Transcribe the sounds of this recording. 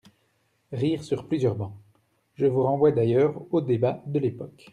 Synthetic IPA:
ʁiːʁsyʁplyzjœʁbɑ̃ | ʒəvuʁɑ̃vwad̪ajœːʁod̪ebad̪əlepɔk

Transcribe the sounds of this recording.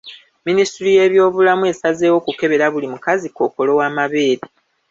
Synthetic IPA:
ministuɾije̞ːβjo̞ːβulamue̞ːsaze̞ːwo̞kuke̞βe̞ɾaβulimukaziko̞ːko̞lo̞waːmaβe̞ːɾi

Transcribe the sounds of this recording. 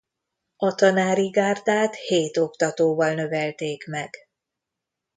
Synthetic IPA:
ɒt̪ɒnaːɾiɡaːrd̪aːt̪heːt̪o̞kt̪ɒt̪oːvɒlnø̞vɛlt̪eːkmɛɡ̥

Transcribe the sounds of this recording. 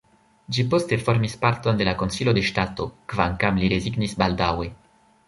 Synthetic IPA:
d͡ʒipo̞ste̞fo̞ɾmispaɾto̞nde̞lako̞nsilo̞de̞ʃtato̞kvaŋkamliɾe̞ziɡnisbaldawe̞

